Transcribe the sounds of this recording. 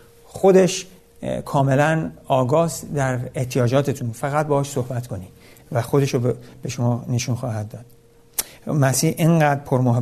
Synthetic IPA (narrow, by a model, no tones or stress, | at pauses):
xo̞d̪e̞ʃ | kʰɒːme̞lænɒːɡɒːsd̪æɾeht̪ʰijɒːd͡ʒɒːt̪ʰe̞t̪ʰunfæɣæt̪̚bɒːɒːʃso̞hbæt̪ʰko̞ni | væxo̞d̪e̞ʃob̥e̞ʃomɒːne̞ʃunxɒːhæd̪̚ːɒːd̪̥ | mæsiːhʔeŋɢæːd̪ɾpʰoɾmoɦe